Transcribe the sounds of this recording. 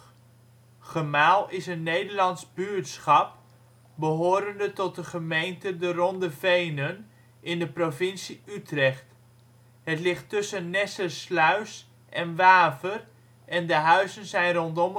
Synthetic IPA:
χəmaːlˠɪsənːejdəɹlɑnzbyːɹtsχɑp̚ | bəɦoːɾəndətɔt̚dəχəmejntədərɔndəvejnən | ʔɪndəprovɪnsiytrɛχt | ɦətlɪχtːɵsənːɛsəslœɥs | ʔɛnʋaːvər | ʔɛndəɦœɥzənzɛjnrɔntɔm

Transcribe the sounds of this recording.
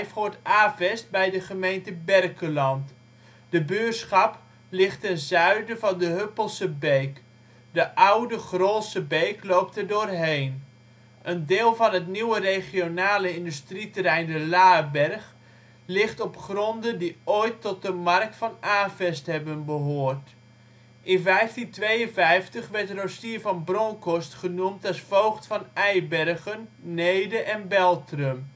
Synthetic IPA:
jfhoːɹtaːvɛst̚bɛjdəχəmejntəbɛrkəlɑnt | d̥əbøːsχɑp | lɪχtɛnzœɥdəvɑndəɦøpəlˠsəbejk | dəʔawdəχroːtsəbejklowp̚tɛrdoːrɦejn | ʔəndɪːlˠvɑnɦətniwərejχionaːləɪndystritərɛjndəlaːbɛrχ | lɪχtɔpχrɔndədiojtʰːɔt̚dəmark̚tfɑnaːfɛsthɛbənbəɦoːrt | ʔɪnvɛjftintʋejənvɛjftəχʋɛrtrosiəvɑnbrɔŋkɔstχənumtɛsfowχtfɑnɛjbɛrɣənːejdəʔɛnbɛlˠtrəm

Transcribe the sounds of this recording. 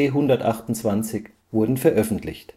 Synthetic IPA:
ɪɦʊndɐtʔa̰χtʊnt͡sv̥ant͡sɪç | v̥ʊɐdn̩fɛɐʔœfn̩tʰlɪ̰çt

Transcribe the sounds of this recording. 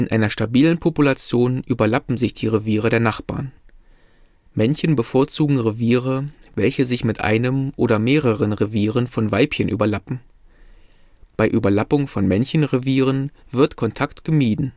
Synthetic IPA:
ʔɪnʔaɪnɐʃtabiːlənpʰopulat͡sjoːnʔyːbɐlapm̩zɪçd̥iːʁeviːʁ̞ədeːɐnaχb̥a̰ːɐn | mɛnçən̩bəfoːɐt͡suːɡŋ̩ʁeviːʁəvɛlçəzɪçmɪtʔa̰ɪnəmʔoːɾɐmeːʁəʁ̞ənʁeviːʁ̞ənfɔnvaɪpçənʔy̰ːbɐlapm̩ | b̥aɪʔyːbɐlapʊŋfɔnmɛnçənʁeviːʁ̞ənvɪɐtkʰɔntʰaktɡ̥əmiːdn̩

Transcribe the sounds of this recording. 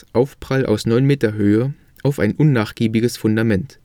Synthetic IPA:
ʔaʊfpʁ̥alʔa̰ʊsnɔʏnmeːtɐɦøːə | ʔaʊfa̰ɪnʔʊnːaːχɡ̥iːbɪɡəsfʊndamɛnt

